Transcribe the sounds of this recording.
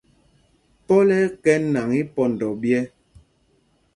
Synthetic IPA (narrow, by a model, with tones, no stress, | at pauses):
pɔ˦lɛ˦kɛ˦nːa˨ŋi˦pɔ˦n˨dɔ˨bjɛ˦